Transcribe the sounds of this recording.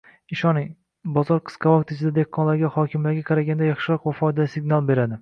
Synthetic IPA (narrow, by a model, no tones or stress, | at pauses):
ɪʃɒni | bɒzɒɾqʰɨ̥sqʰɑvɒk̚t̪ʰɪt͡ʃʰɪd̪ad̪ekʰːɒnlaɾɡʲahɒkʲʰɪmlaɾɡʲaqʰɑɾaɡʲand̪ajɑχʃɪɾɒqvafɒjd̪alsɪɡnalˠbe̞ɾad̪ɪ